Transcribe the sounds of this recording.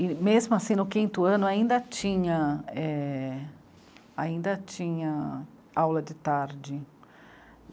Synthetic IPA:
ɪmezmʊasĩnʊkĩnt̪ʊɐ̃nʊaĩnd̪ɐt͡ʃĩɲɐɛ | aĩnd̪ɐt͡ʃĩɲɐ | awlɐd͡ʒɪt̪aɾd͡ʒɪ

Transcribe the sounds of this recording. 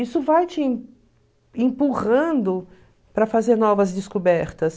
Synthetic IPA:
isʊvajt͡ʃɪ̃ | ẽpuʁɐ̃nd̪ʊ | pɾɐfazeɾnɔvɐzd͡ʒɪskobɛɾt̪ɐs

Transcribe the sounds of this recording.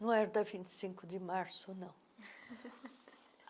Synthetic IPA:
nɐ̃w̃ɛɾd̪ɐvĩnt̪i̥sĩŋkʊd̪ɪmaɾsʊnɐ̃w̃

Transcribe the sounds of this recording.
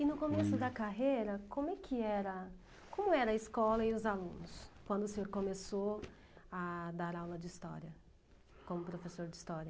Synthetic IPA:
ɪnʊkomesʊd̪ɐkaɦejɾɐkõmʊɛkʰɪɛɾɐ | kõmʊɛɾɐiskɔlɐɪʊzalṵ̃nʊskwɐ̃nd̪ʊsẽɲoɾkomeso | ad̪aɾawlɐd͡ʒɪist̪ɔ̰ɾiɐ | kõmʊpɾofesoɾd͡ʒɪist̪ɔɾjɐ

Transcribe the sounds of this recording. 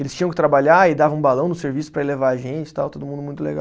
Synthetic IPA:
elɪst͡ʃĩɲɐ̃kɪt̪ɾabaʎaɪd̪avɐ̃ũbalɐ̃w̃nʊseɾvisʊ̥pɾɐelevaɐʒẽnt͡ʃɪ̥t̪awt̪od̪ʊmũnd̪mũj̃t̪ʊlḛɡaw

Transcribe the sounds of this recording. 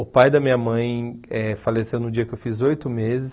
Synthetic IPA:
ʊpajd̪ɐmĩɲɐmɐ̃j̃ɛfalesẽwnʊd͡ʒiɐkɪewfizojt̪ʊmezɪs

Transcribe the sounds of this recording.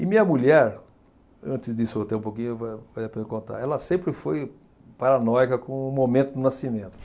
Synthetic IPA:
ɪmĩɲɐmuʎɛɾ | ɐ̃t͡ʃɪzd̪isʊot̪eũpokĩɲʊevavad̪apẽkõnt̪a̰ɛlɐsẽmpɾɪfoj | paɾanɔjkɐkõmomẽnt̪ʊd̪ʊnasimẽnt̪ʊ̥

